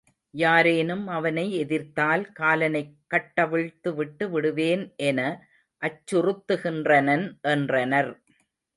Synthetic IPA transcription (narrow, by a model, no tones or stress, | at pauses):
jaːɾeːnɯmɐʋɐnɐɪɛðɪɾt̪aːlkaːlɐnɐɪkːɐʈːɐʋɪɻt̪ːɯʋɪʈːɯʋɪɽɯʋeːnʔɛnɐ | ʔɐt͡ʃːʊrɯt̪ːɯɣɪndrɐnɐnʔɛndrɐnɐɾ